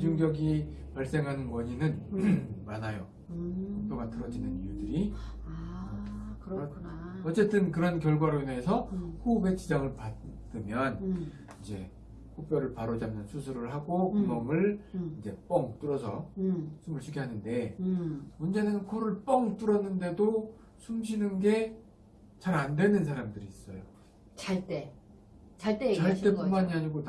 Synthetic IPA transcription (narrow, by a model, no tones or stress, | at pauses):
id͡ʑuŋɡjʌɡi | paɭs͈e̞ŋɦanɯnwʌɲinɯnmanajo | kopʰjʌɡatɯɾʌd͡ʑinɯnijudɯɾi | kʰʌt͡ɕ͈e̞t͈ɯnkɯɾʌnk̬jʌɭɡwaɾoinɦesʰʌhube̞t͡ɕʰid͡ʑaŋɯɭpadɯmjʌn | id͡ʑe̞ | kʰop͈jʌɾɯɭpaɾod͡ʑamjʌnsʰusʰuɾɯɭɦaɡokɯmʌmɯɭind͡ʑe̞p͈ʌŋt͈uɾʌsʰʌsʰumɯɭɕʰiɡʰeɦanɯnde̞ | mʌnd͡ʑe̞nɯnkʰoɾɯɭp͈ʌŋt͈uɾʌnːɯnde̞do | sʰumɕʰinɯnɡe̞ | t͡ɕaɾandwe̞nɯnsʰaɾamdɯɾiːs͈ʌ̰jo̰ | t͡ɕaɭt͈e | t͡ɕaɭt͈et͡ɕaɭt͈e̞punmaɲiaɲiɡon